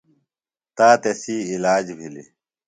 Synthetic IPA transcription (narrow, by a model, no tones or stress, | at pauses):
t̪aːt̪ɐsiːilaːd͡ʑbʱilḭ